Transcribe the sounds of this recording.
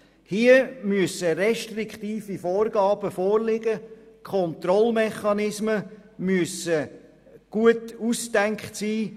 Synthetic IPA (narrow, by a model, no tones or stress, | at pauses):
hiəmyəsəɾɛʃtrɪkχt̪iːfifɔːrɡɑːb̥əfɔːrlɪɡəkʰχɔnt̪ɾɔlmɛχɑnɪsməmyəsə | ɡ̥uətusd̥ɛŋkχtsiː